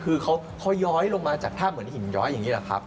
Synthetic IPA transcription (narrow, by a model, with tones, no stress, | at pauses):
kʰɯː˧kʰa˦˥w | kʰa˦˥wjɔː˦˥jlo˧ŋmaː˧t͡ɕaː˨˩k̚t̪ʰaː˥˩mɯ˩˦n˨i˨˩˦njɔ̰ː˦˥jːa˨˩ŋːiː˦˥la˨˩kʰa̰˦˥p̚